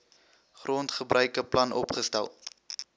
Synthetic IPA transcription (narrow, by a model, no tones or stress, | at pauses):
χrʔoːntχəbrʔœɥkəplɐnʔɔ̰pχəstɛ̰lˠ